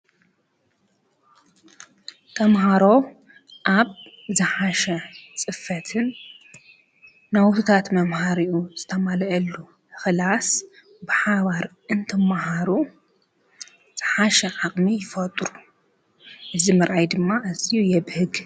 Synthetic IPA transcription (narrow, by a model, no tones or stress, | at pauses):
t̪ʰɐmɦaɾo̞ | ʔaβ | zɨħaʃɐt͡sʼɨfɐt̪ʰɨn | ɐwt̪ʰut̪ʰat̪mɐmhaɾiʔuz̥ɨt̪ʰɐmalʔɐlːu | xɨlas | bɨħaβaɾʔɨnt̪ʰɐmahaɾu | z̥ɨħaʃɐʕaqʼmijɪfɐt̪ʼɾu | ʔɨzimɨɾʔajd̪ɨmːaʔɐzijujɛβhɨɡ